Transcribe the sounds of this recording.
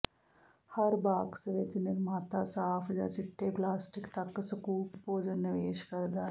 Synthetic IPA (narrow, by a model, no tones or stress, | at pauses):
hɐɾbaːɡsəʋet͡ʃnɪɾmaːt̪asaːpʰd͡ʒa̰ːt͡ʃɪʈʰːeːplaːsʈɪkt̪ɐkːsɐkuːppoːd͡ʒənːɪʋeːʃkɐɾd̪aː